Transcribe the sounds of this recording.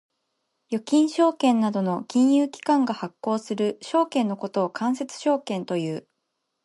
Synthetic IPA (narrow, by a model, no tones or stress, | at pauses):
jo̞kʲĩɰ̃ɕo̞ːkẽ̞nːad̪o̞no̞kʲĩɰ̃jɯːkʲi̥kãŋɡahakːo̞ːsɨɾɯ̟ɕo̞ːkẽ̞nːo̞ko̞t̪o̞ːkãɰ̃se̞t͡sɨ̥ɕo̞ːkẽ̞nt̪o̞jɯ̟ː